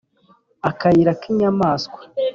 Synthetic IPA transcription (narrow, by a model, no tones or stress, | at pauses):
akajiɾakiɲamaːskwḁ